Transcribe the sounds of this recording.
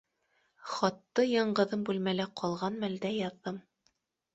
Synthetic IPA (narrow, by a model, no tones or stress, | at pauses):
χɑt̪ːɤjɑɴɢɤ̆ðɤmbʉlmælæqʰɑlˠʁɑnmæld̪æjɑðːɤm